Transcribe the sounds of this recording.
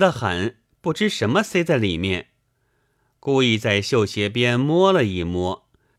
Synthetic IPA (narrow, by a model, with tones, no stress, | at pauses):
d̪ə˧xa̰˧˩˥n | pu˥˩ʈ͡ʂɻ̩˥ʂə˧˥nmə˧se˥ɪt͡sa˥˩ɪli˨˩mjɛ˥˩n | ku˥˧i˥˧t͡sa˥˧ɪɕjo˥˩ʊɕjɛ˧˥p̬jɛ˥nmwɔ˥lə˨i˥˩mwɔ˥